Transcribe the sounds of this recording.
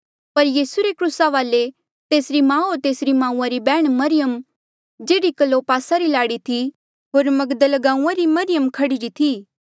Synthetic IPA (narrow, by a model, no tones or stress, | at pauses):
pɐɾjiːsuɾekɾuːsaʋaːle | t̪eːsɾimãːot̪eːsɾimãːũãɾibɛːɽ̃mɐɾɪjəm | d͡ʒeːɽikəlːopaːsaɾilaːɽit̪ʰi | ɦoːɾmɐɡd̪əlɡãːũãɾimɐɾɪjəmkʰɐɽiɾit̪ʰiː